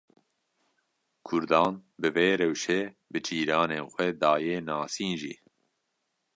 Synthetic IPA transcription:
kʰʊɾd̪ɑːnbɨveːɾɛwʃe | bɨt͡ʃʰiːɾɑːneːnxʷɛd̪ɑːjeːnɑːsiːnʒḭː

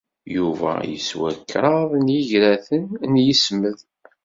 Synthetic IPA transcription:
juvæ̰jə̰swækːɾˤɑðˤnjiʝɾæθənnjəsməð

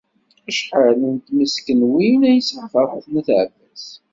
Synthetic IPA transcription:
æʃħələnt̪məskənwinæjəsʕfəɾˤħəθnəθʕvæs

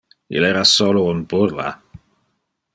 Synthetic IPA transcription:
ḭlɛɾasolounbuɾla̰

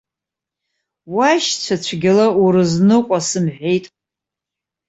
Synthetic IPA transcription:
waʃt͡ɕʷʰat͡ʃʷʰɡʲɪlauɾɨznɨqʷʼasɨmħʷᶣejtʼ

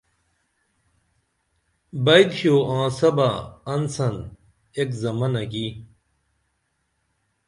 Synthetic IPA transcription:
bɐjdɕjoːãːsɐbaɐnsɐn | ekzɐmɐnɐki

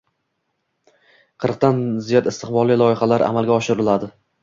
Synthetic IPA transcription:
qʰɨɾq̚t̪anzijɒt̪ɪst̪ɪχbɒlˠilˠɒɪχalaɾʔa̰malˠɡʲaɒʃɪɾɪlad̪ɪ

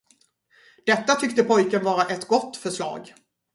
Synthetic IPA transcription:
d̪̥ɛt̪ːat̪ʰʏkt̪əpʰɔjkənvɑːɾaʔɛt̪ɡɔt̪ːfœʂɭɑ̰ːɡ

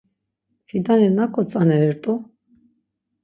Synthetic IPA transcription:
hid̪anɛnakʰʼɔt͡sʼanɛɾɛɾt̪ʼu

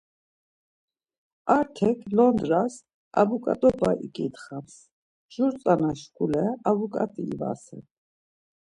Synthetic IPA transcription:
aɾt̪ʰɛkʰlɔnd̪ɾas | a̰vukʼa̰t̪ʼɔbaʔikʼit̪χams | ʒuɾt͡sʼanaʃkʰʼulɛavukʼat̪ʼiːva̰sɛ̰n

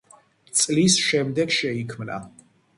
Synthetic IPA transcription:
t̪sʼlisʃɛmd̪ɛɡʃɛikʰmna̰

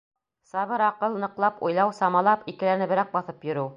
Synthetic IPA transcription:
sɑβɤɾɑqɤlˠnɤ̆qlˠɑpṵjlˠɑwsɑmɑlˠɑpikɘ̆læɾnɘbɘ̆ɾæk̚bɑθɤpjɵ̆ɾɘw

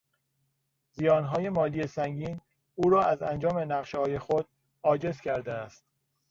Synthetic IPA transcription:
zijɒːnɦɒːje̞mɒːlije̞sæŋɟiːn | uːɾɒːæzænd͡ʒɒːme̞næʁʃehɒːje̞xod̪̥̚ | ɒːd͡ʒe̞zcʰæɾd̪eæst̪̚

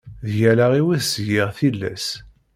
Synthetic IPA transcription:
ðjælaʁiwæðsʝiʁθilːæ̰s

